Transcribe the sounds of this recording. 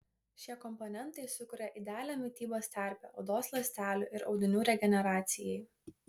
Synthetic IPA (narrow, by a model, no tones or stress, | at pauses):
ʃʲiɛkɔmpɔnʲɛnˑt̪ɐɪsʊkʊɾʲɛʔɪd̪ʲɛɑːlʲɛmʲɪt̪ʲiːboːsʲt̪ʲæˑɾʲpʲɛ̰ːɐʊd̪oːslˠɐsʲt̪ʲæːlʲuːʔɪɾɒʊd̪ʲɪnʲuːɾʲɛɡʲɛnʲɛɾɑːt̪sʲɪjɛɪ